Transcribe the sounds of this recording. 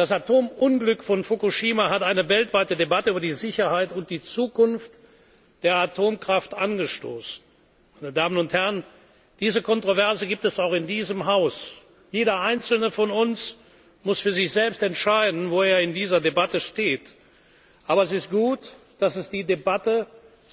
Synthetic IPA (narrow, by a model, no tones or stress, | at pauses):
d̥asatʰoːmʔʊnɡlʏkfɔnfukuʃiːmaɦataɪnəvɛltv̥aɪtədebatəyːbɐdiːzɪçɐhaɪtʊnt̚d̥iːt͡suːkʊnft | d̥eːɐatʰoːmkʁ̥aftʔanɡəʃto̰ːsn̩ | maɪnədaːmənʊnthæɐən | d̥iːzəkʰɔntʁ̥ovɛɐzəɡiːp̚tɛsaʊxɪndiːzəmɦaʊs | jeːɾɐʔaɪnt͡sl̩nəfɔnʊns | mʊsfyːɐzɪçz̥ɛlpstɛntʃaɪdn̩voːeːɐɪndiːzɐdebatəʃteːt | ʔaːbɐɛsɪst̚ɡ̥uːtd̥asɛsd̥iːdebatə